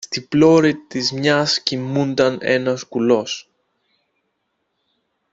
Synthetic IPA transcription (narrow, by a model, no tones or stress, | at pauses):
st̪iplo̞ɾit̪izmɲɐscimund̪ɐne̞̰nɐskulo̞s